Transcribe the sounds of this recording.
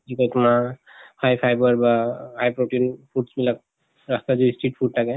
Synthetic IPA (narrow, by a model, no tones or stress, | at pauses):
ikɛtuma | hajpʰajbəɹbahajpɹoʈinpʰuɖsbilak̚ | ɹast̪azuisʈiʈ̚pʰud̚tʰakɛ